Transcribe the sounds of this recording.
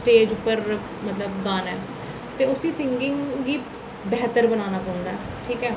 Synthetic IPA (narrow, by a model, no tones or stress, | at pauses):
sʈeːd͡ʒʊpːəɾ | mət̪ləbɡaːnɛː | t̪eːʊsĩːsɪŋɡɪŋɡiː | bɛːt̪əɾbənaːnaːpəʊnd̪aː | ʈʰiːkɛː